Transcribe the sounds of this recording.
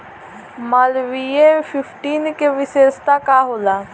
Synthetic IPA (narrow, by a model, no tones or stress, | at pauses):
malʋiefʰɪfʰʈiːnkeʋɪseːst̪akaɦoːlaː